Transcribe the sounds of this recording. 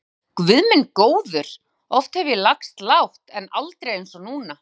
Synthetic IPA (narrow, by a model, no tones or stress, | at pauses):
kvʏðmɪnkoːwðʏɾ̥ | ɔft̪hɛvjɪlakst̪lawht̪ɛnalt̪ɾejejnsɔnuːna